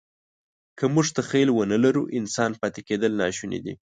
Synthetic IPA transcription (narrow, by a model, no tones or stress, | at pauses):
kəmuʐt̪axelwənəlaɾuʔɪnsɑnpɑt̪eked̪əlnɑʃunḛd̪ḭ